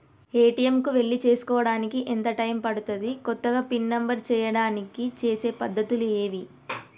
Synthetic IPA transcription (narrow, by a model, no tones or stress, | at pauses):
eːʈiemkuʋe̞ɭːit͡ʃe̞ːsu̥kɔːʋɐɽaːnikiʔent̪ɐʈɐjmpɐɽut̪ɐd̪ikɔt̪ːɐɡaːpinːɐmbɐɾt͡ʃɛːjɐɽaːnikit͡ʃe̞ːse̞ːpɐd̪ʱːɐt̪ulue̞ːʋi